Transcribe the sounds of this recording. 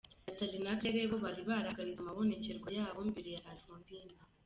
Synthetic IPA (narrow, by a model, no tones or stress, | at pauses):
atalinakeɾeβoβaɾiβaɾaɡaɾizamaβo̞ne̞ce̞ɾɡwajaːβombiɾijeʔaɾfunzina